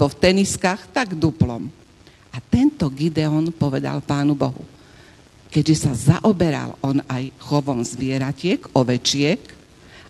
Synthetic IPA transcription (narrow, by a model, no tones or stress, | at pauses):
bɔft̪ɛniskaxt̪aɡd̪uplɔ̰m | ʔat̪ɛnt̪ɔɡid̪ɛɔnpɔʋɛd̪a̰lpaːnubɔɦṵ | kɛɟʒɛsazaʔɔbɛɾa̰lɔnajxɔʋɔmzʋɪɛɾacɪɛkɔʋɛt͡ʃɪɛk